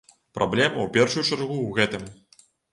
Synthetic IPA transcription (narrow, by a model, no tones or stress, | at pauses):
pɾʔablʲɛmɐwpʲɛrʂujut͡ʂarɣuwɣɛt̪ɨm